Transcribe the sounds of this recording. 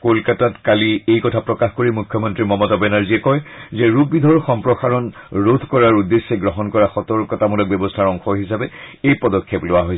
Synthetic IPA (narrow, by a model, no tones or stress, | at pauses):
kolkatatkaliejkɔtʰapɹɔkaxkoɹimukʰːjɔmɔntɹimɔmɔtɔbɛnaɹziɛkɔjzɛɹuk̚bidʱɔɹxɔmpɹɔxaɹɔnɹod̪ʱkɔɹaɹudesːeɡɹɔɦɔnkɔɹaxɔtɔɹkɔtamulɔk̚bjɔbɔstʰaɹɔŋxʰɔɹɦisabɛejpɔdɔkʰːɛplʊwaɦojs